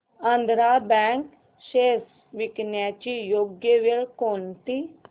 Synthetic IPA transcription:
ə̃nd̪ɾaːbɛ̃ːŋk | ʃeːs | ʋɪknjaːt͡ʃijoːɡjeʋeɭkoːnt̪iː

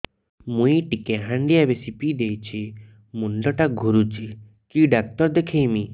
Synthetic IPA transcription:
mũiʈikeɦãɳɖijabesipid̪ejt͡ʃʰi | munlɔʈaɡʱuɾut͡ʃʰi | kiɖak̚t̪ɔɾd̪ekʰejmi

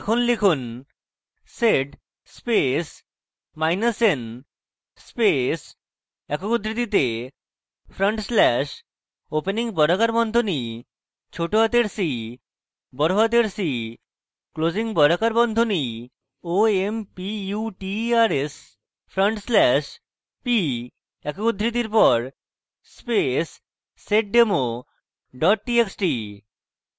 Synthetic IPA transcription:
ɛkʰonlekʰun | seɖ | spes | majnasen | spes | ɛkokud̪ɾit̪it̪e | fʰɾəɳʈslɛʃ | openiŋbɔɾakaɾbɔnd̪ʱoni | t͡ɕʰoʈoɦat̪eɾsi | bɔɾoɦat̪eɾsi | klod͡ʑiŋbɔɾakaɾbɔnd̪ʱoni | oempijuʈiaɾes | fʰɾəɳʈslɛʃ | pi | ɛkud̪ʱːɾit̪iɾpɔɾ | spesː | eʈ̚ɖemo | ɖɔʈ̚ʈieksʈi

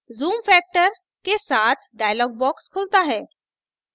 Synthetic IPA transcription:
zuːmfɛːk̚ʈəɾ | kesaːt̪ʰɖaːjlɔːɡ̚bɔːkskʰʊlt̪aɦɛː

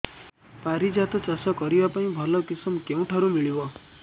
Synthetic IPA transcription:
paɾid͡ʒat̪ɔt͡ʃasɔkɔɾibapaĩbʱɔlɔkisɔmkeũʈʰaɾumiɭibɔ

